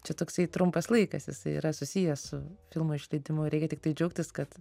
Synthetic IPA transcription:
t͡ʃʲɛt̪oːksɐɪt̪ɾʊmpɐslˠɐɪkɐsjɪsɐɪḭːɾɐsʊsʲijɛsʊfʲɪlˠmʊɪʃʲlʲɛɪd̪ʲɪmʊɾʲɛɪkʲɛt̪ʲɪk̚t̪ɐɪd͡ʒʲɛʊk̚t̪ʲɪskɐt̪

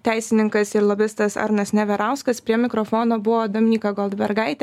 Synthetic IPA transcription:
t̪ʲæɪssʲɪnʲɪŋkɐsɪɾlˠoːbʲɪst̪ɐsɐ̰ɾnɐsnʲɛʋʲɛɾɑʊskɐspʲɾʲiɛmʲɪkɾoːfoːnoːbʊʋoːd̪oːmʲɪnʲiːkɐɡɔlˠd̪bʲɛɾɡɐɪt̪ʲɛ

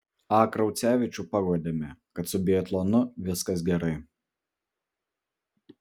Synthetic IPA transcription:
ɑːkɾɐʊt̪sʲæːʋʲɪt͡ʃʲupɐɡud̪ʲemʲɛkɐt̪sʊbʲiɛt̪lˠonʊʋʲɪskɐs̬ɡʲɛɾɐɪ

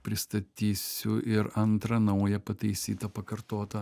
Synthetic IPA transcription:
pʲɾʲɪst̪ɐt̪ʲiːsʲʊɪɾɐnt̪ɾɐnɐʊjɛpɐt̪ɐɪsʲiːt̪ɐpɐkɐɾt̪oːt̪ɐ

